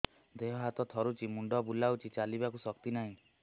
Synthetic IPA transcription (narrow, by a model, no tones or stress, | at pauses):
d̪eɦɔɦat̪ɔt̪ʰɔɾut͡ʃimuɳɖɔbulawt͡ʃʰit͡ʃalibakusɔk̚t̪inaɦĩ